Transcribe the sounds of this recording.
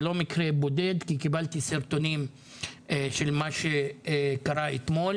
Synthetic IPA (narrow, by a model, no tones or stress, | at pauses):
lo̞mikʁebo̞d̪e̞d̪kikibalt̪iseɾt̪o̞nim | eʃe̞lmaʃekaʁaet̪mo̞l